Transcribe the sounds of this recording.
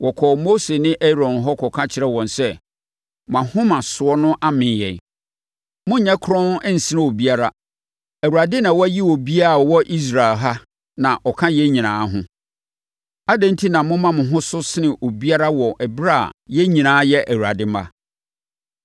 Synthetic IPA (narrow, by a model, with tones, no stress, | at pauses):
wɔ˨kʰɔ˨mo˦se˨nɪ̃˦ʔɛ˦ɾɔ̃˨nɦɔ˦kʰɔ˨kʰã˦t͡ɕʰɪ˦ɾɛ˦wɔ̃˨nsɛ˦ | m˨ã˨hʊ̃˦mã˨sʊ˨ɔ˦nʊ̃˦ʔa˦mɪ̃˨jɛ̰˨n˨ | mʊ̃˦ɲɛ̃˦kʰʊ˦ɾɔ̃˦n˦ɛ˦n̩˨sɪ˦nɪ̃˦o˨bi˦a˦ɾa˦ | æ˨wu˨ɾa˨dɪ˦nã˨wɔ˦æ˦ji˦wo˨bi˦a˦˨wɔ˦ʔi˦s̬ɾa˨e˨lɦa˦ | nã˨ʔɔ˨kʰã˦jɛ˦ɲĩ˨nãː˨˦ɦʊ̃˦ | a˦dã˦n̩˦tʰi˦nã˨mʊ̃˦mã˦mʊ̃˨ɦʊ̃˦sʊ˦sɪ˦nɪ̃˨ʔo˨bi˦a˦ɾa˦wɔ˨ʔɛ˨bɾa̰˦˨jɛ˦ɲĩ˨nãː˨˦jɛ˦ʔæ˨wu˨a̰˨dɪ˦ma̰˦